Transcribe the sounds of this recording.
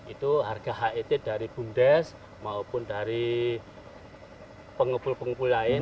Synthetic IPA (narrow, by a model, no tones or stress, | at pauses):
it̪uɦarɡ̥a̤ɦaʔit̪ɪd̥a̤ɾib̥ṳnd̪ɛs | maupʊndaɾi | pəŋəpulpəŋəpulaɪ